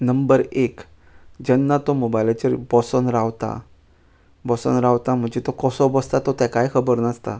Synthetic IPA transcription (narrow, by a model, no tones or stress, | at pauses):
nəmbəɾek | d͡ʑənːat̪omobajlat͡ɕəɾbɔsənɾaʋt̪a̰ | bɔsɔ̰nɾawt̪am̤ə̃ɳd͡ʑet̪okɔsɔbɔst̪at̪ɔt̪ɛ̃kajkʰəbəɾnəst̪a̰